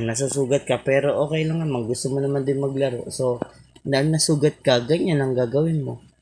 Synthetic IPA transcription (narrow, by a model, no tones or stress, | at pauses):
ŋnɐs̬usuːɡɐt̪̚kɐpɛːɾo̞ʔoːkɛjlaŋnɐmaŋɡʊst̪omonɐmand̪ɪnmɐɡ̚lɐɾo̰ʔso̞d̪ɐʔaŋnɐsuːɡɐt̪̚kɐɡɐɲanɐŋɡaːɡɐwɪnmo̞